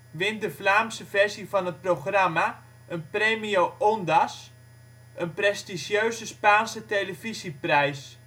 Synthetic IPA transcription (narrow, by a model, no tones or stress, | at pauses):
ʋɪndəflaːmsəvɛrsifɑnət̚proχrama | ʔənpreːmiowʔɔndas | ənprɛstiʃjøɥzəspaːnsətejləvisiprɛjs